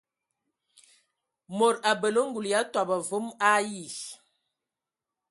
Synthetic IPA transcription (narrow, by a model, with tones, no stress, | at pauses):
mo˨ɾa˨bə˨lə˦ŋ˦ɡu˨lja˦twa˨ba˨vo˦ma˦ji˦˨s